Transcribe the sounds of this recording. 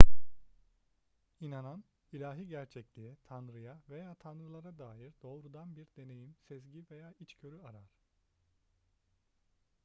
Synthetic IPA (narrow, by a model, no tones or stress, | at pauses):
inanan | ilʲaːɦiɟæɾt͡ʃʰɛclʲiɛt̪ʰanɾɯjave̞jaːt̪ʰanɾɯlˠaɾad̪aːjiɾd̪o̞ːɾud̪anbiɾd̪e̞ne̞jimsɛzɟive̞jaːit͡ʃcʰø̞ɾyaɾaɾ̥